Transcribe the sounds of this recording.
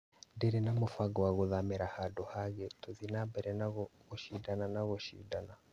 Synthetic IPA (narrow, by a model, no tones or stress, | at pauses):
ndeɾenamofaɡɔwaɣoðamɛɾahadɔhaɣetoðinambɛɾɛnaɣɣoʃidananaɣoʃḭdana